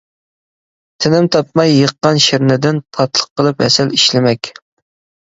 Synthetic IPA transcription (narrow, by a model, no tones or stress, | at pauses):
t̪ʰɪnɪmt̪ʰɑp̚mɑjːəqːɑnʃɪɾnɪd̪ɪnpʰɑt̪ʰlˠə̥qːəlˠɨpɛ̰sɛliʃlɪmɛkʲ